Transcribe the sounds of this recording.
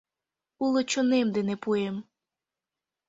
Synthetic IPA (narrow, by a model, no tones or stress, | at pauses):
ulˠɔt͡ʃɔnɪmd̪ɪnɛpujem